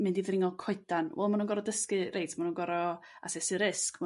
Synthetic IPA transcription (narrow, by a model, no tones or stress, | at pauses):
mɨndivrɪŋɔlˠkʰɔɨdanwɛ̰lˠmanunɡɔɾɔdəskɨrʔejtʰmanunɡɔɾɔ | a̰sɛsɨɾɪskma